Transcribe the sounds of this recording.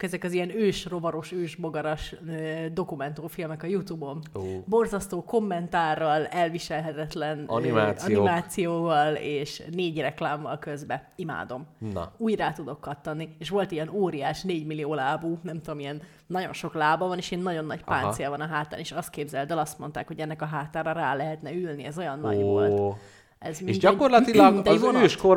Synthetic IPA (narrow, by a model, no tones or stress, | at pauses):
kɛzɛkɒzijɛnøːʃro̞bɒɾo̞ʃøːʒboɡɒɾɒʃød̪o̞kumɛnt̪oːfilmɛkɒjut̪uːbo̞nbo̞rzɒst̪oːko̞mːɛnt̪aːrːɒlɛlviʃɛlɦɛt̪ɛt̪lɛnnimaːsɒimaːtt̪sijoːvɒleːʃneːɟrɛklaːɱvɒ̰lkø̞zbɛima̰ːd̪o̞m̰uːjraːt̪ud̪o̞kːɒt̪ːɒnːieːʃʋo̞lt̪ijɛnoːɾijaːʃneːɟmilijoːlaːbuːnɛmt̪ud̪omijɛnː | ɒɟo̞̰nʃo̞klaːbɒvɒneːʃeːnːɒɟo̞nːɒcpa̰ːnt̪sijɒvɒnɒɦaːt̪a̰ːneːʃɒst̪̚keːbzɛld̪ɛlɒst̪mo̞nt̪aːkhoɟɛnːɛkɒɦaːt̪aːɾɒɾaːlɛɦɛt̪nɛylniɛzo̞jɒnːɒʋolt̪ | ɛzmieʃɟɒkorlɒt̪ilɡminzøːʃko